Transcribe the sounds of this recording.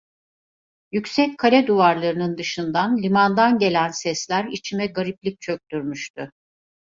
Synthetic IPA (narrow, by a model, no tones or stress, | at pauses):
jycsɛckʰalʲɛd̪uvaɾlˠaɾɯnɯnd̪ɯʃɯnd̪anlʲimand̪anɟe̞lʲænsɛslʲæɾit͡ʃʰimɛɡaɾiplʲic̚t͡ʃʰø̞c̚t̪ʰyɾmyʃt̪ʰʊ